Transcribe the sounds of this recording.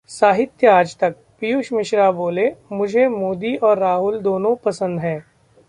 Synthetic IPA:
saːɦɪt̪jəaːd͡ʒt̪ɐk̚pijuʃmɪʃɾaboːlemʊd͡ʒʱemoːd̪iʔɔːɾːaːɦʊld̪oːnõpɐsə̃nd̪ɦɛ̃ː

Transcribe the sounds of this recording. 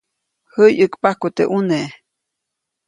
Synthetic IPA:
həjɨkpahkut̪eʔune

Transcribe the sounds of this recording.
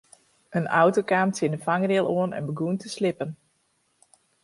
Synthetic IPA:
ənʔa̰wtokaːmsɪnəfaŋərɪlˠoənɛ̰nbəɡuntʰəslɪpən

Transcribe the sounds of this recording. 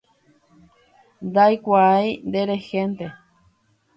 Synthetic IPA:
d̪ajkʷaajnd̪eɾexent̪e

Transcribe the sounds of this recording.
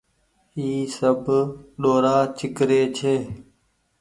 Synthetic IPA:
iːsəbʱɗoːɾaːt͡ʃɪkɾeːt͡ʃʰeː

